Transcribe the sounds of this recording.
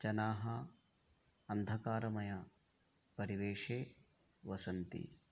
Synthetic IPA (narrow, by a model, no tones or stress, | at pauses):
t͡ʃɐnaːɦɐ | ɐnd̪ʱɐkaːɾɐmɐjɐ | pɐɾiʋeːʂeː | ʋɐsɐnt̪ḭ